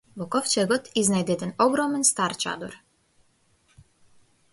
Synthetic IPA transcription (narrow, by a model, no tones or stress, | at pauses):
vɔkɔft͡ʃɛɡɔt̪iznajd̪ɛɛd̪ɛnɔɡɾɔmɛnst̪aɾt͡ʃa̰d̪ɔɾ